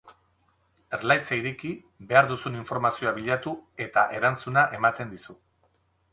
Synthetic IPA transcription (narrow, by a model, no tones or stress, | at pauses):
e̞ɾlajt͡saiɾeki | be̞aɾðusuniɱfo̞ɾmasio̞aβiʎat̪ue̞t̪aʔe̞ɾant͡sunaʔe̞mat̪e̞nd̪isu